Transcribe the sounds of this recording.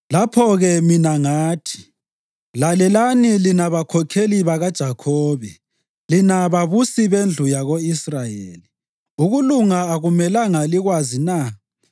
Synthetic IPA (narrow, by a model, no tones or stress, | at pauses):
lapʰɔɣɛminaŋaːtʰi̥ | lalɛlanilinaβakʰɔkʰeliβaɣad̥ʒ̥ʱakʰɔːβɛ | linaβaβusiβend͡ɮʱujaɣoisrajeːli | uɣuluŋaːɣumɛlaŋaliɣwazina